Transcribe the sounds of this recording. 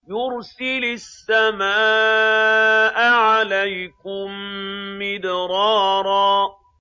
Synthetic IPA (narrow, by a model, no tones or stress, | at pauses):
jʊɾsɪlʊsːamaː | ʔaʕalajkʊmː | ɪd̪ɾˤɑːɾˤɑː